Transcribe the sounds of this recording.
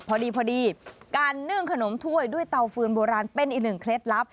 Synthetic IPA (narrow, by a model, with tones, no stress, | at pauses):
pʰɔː˧diː˧pʰɔː˧diː˧kaː˧nːɯ˥˩ə˩ŋkʰa˧no˩˦mt̪ʰu˥˩əjdu˥˩əjt̪a˧wfɯː˧nboː˧ɾaː˧npe˧nʔiː˨˩k̚nɯ˨˩ŋkʰle˦˥t̪̚la˦˥p̚